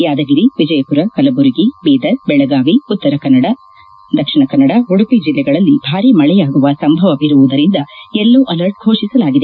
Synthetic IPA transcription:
jaːd̪ɐɡiɾiʋid͡ʒɐjɐpuɾɐkɐlɐbuɾiɡibiːd̪ɐɾbɛɭɐɡaːʋiut̪ːɐɾɐkɐnːɐɽɐ | d̪ɐkʂiɳɐkɐnːɐɽɐɦuɽupid͡ʒilːɛɡɐɭɐlːib̥ʱaːɾimɐɭɛjaːɡuʋɐsɐmbʱɐʋɐʋiɾuʋud̪ɐɾind̪ɐɛlːuʔɐlɐɾʈ̚ɡʱoːʂisɐlaːɡid̪e

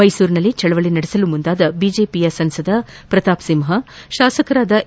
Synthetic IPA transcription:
ɐjsuːɾinɐlːit͡ʃɐɭɐʋɐɭinɐɽisɐlumund̪aːd̪ɐbiːd͡ʒe̞ːpijɐsɐnsɐd̪ʱɐ | pɾɐt̪aːpsimɦɐʃaːsɐkɐɾaːd̪ɐ

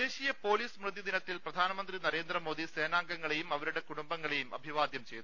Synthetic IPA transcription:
d̪e̞ːɕijɐpo̞ːliːsmrɨd̪id̪inɐt̪ːilprɐd̪ʱaːnɐmɐnd̪rinɐɾe̞ːnd̪rɐmo̞ːd̪ʱise̞ːnaːŋɡɐŋːɐɭejumɐʋɐɾuɽe̞kuɽumbɐŋːɐɭe̞jumɐ̰bʱiʋaːd̪jɐmt͡ɕe̞jðu

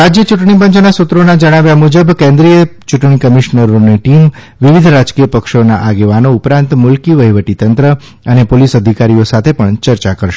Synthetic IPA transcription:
ɾad͡ʒjət͡ʃuʈɳip̬əɲt͡ʃnasut̪ɾonad͡ʒəɽ̃aʋjamud͡ʒəbkẽnd̪ɾijət͡ʃuʈɳikəmiʃnəɾoniʈim | ʋiʋid̪ʱɾad͡ʒkijəpəkʃonaʔaɡeʋanoupɾãnt̪mʊlkiʋəiʋəʈit̪ənt̪ɾə | ənepolisəd̪ʱikaɾijosat̪ʰepəɳt͡ʃəɾt͡ʃakəɾʃe̥

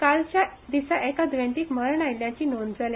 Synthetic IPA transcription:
kalt͡ɕjad̪isaʔekad̪ʋẽɳʈiːkməɾəɳajljat͡ɕiːnond͡zale

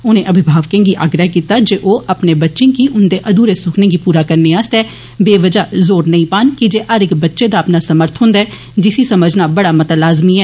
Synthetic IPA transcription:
ʊnẽʔəbʱɪbʱaːʋkẽɡiʔa̰ɡɾəɦkiːt̪ad͡ʒeːʔoːʔəpnebətːʃẽkiʔʊnd̪eːʔəd̪uːɾesʊkʰnẽːɡipuːɾaːkəɾneaːst̪ɛː | beːʋəd͡ʒaːzoːɾnɐĩːpaːnkid͡ʒeːʔəɾɪkbətːʃed̪aːpnaːsəməɾt̪ʰɦʊ̃ːnd̪aɛː | d͡ʒɪsisəməd͡ʒʱnabəɽaːmɐt̪alaːzmiɛː

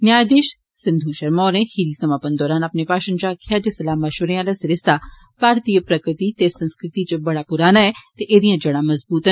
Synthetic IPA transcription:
njaːjd̪eːʃ | sɪ̃nd̪ʱũʃɐɾmɔːɾẽːhiɾiːsɐmaːpənd̪ɔːɾaːnapnepaːʃənt͡ʃaːkʰːjaːd͡ʒesɐlaːmaʃʊɾẽaːlasɪɾɪst̪a | paːɾt̪iːəpɾɐkɾɪt̪it̪esɐ̃nskɾɪt̪it͡ʃəbɐɽapʊɾaːnaɛt̪eʔeːd̪ijãd͡ʒɐɽ̃amɐzbuːt̪ə

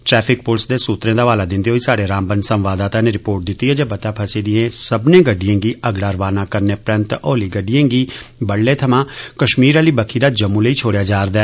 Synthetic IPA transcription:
ʈɾɛːpʰɪk̚pʊːlsd̪eːsuːt̪ɾẽːd̪aːʋaːlaːd̪ɪ̃nd̪iɦoːiːsaːɽeːɾãːmbənsəmʋaːd̪aːt̪ãːneːɾɪpoːɾʈ̚d̪ɪt̪ːiːɦɛːd͡ʒeːbət̪aːpʰəsiːd̪ɪẽːsəbnẽːɡəɖɪjãːɡiːʔəɡɽaːɾʋaːnãːkəɾneːpɾənt̪oːliːɡəɖɪjãːɡiːbəɽleːt̪ʰəmãːkəʃmiːɾaliːbəkʰiːd̪aːd͡ʒəmũːləiːt͡ʃʰoːɽejaːd͡ʒaːɾd̪aɛː

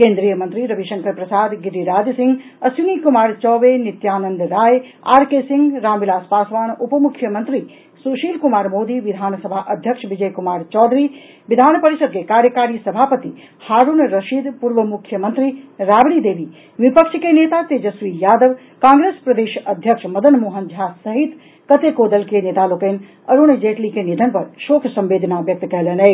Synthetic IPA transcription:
kẽːnd̪ɾijəmɐnt̪ɾiɾɐbʱiʃɐ̃ŋkʰəɾpɾɐsaːd̪ɡɪɖiɾaːd͡ʒsɪ̃ŋɡ | ɐsinikumaːɾt͡ʃɔːʋenɪt̪jaːnə̃nd̪ɾaːj | a̰ːɾkesɪ̃ŋɡɾaːmʋilaːspaːsʋaːnupəmukʰːjəmɐ̃nt̪ɾi | suːʃiːlkumaːɾmoːd̪iʋɪd̪ʱaːnsɐbʱaːʔɐd̪ʱjəkʃʋid͡ʒəjkumaːɾt͡ʃɔːd̪ɾi | ʋɪd̪ʱaːnpɐɾiʃəd̪̚kekaːɾjəkaːɾijəsɐbʱaːpət̪i | haɾunɾəʃid̪puɾʋəmukʰjəmənt̪ɾiɾabɽ̃id̪ebʱi | ʋipəkʃʰkenet̪at̪ed͡ʒəsʋijaːd̪əʋ | kãːŋɡɾespɾəd̪eʃəd̪ʱjəkʂʰməd̪ənmoɦənd͡ʒʱasəɦit̪ | kət̪ekod̪əlkeneːt̪alokən | əɾund͡ʒeʈlikenid̪ʱənpəɾʃokʰsə̃mbeːd̪nabjək̚t̪kɛɦlenə

